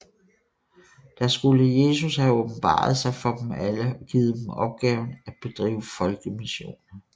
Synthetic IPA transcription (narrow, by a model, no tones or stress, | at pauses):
d̥ɑ̈sɡ̥uləje̝ːsushæɔb̥n̩b̥ɑ̰̈ːð̞̩ˠsɑ̈ɪfɒ̽d̥m̩æləɡ̥iːð̞̩ˠd̥em̩ɒ̽b̥̚ɡ̥ɛːʊn̩æ̥b̥e̝d̥ʁḭːʊ̰əfɒ̽lɡ̥əmiɕo̝̰ːnɐ